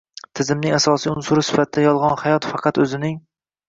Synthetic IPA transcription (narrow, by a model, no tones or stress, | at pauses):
t̪ʰɪzɪmnɪŋasɒsijʊnsʊɾɪsɪ̥fat̪̚ʰɪd̪ajɒlˠʁɑnhajɒt̪fɑqʰɑt̪ɵzɪnɪŋ